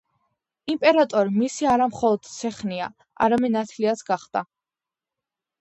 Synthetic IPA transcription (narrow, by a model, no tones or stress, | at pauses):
impʼɛɾat̪ʼɔɾimisiaɾamχɔlˠɔd̪̥t̪sʰɛχnia̰ | a̰ɾamɛnːat̪ʰliat̪sɡaχd̪̥a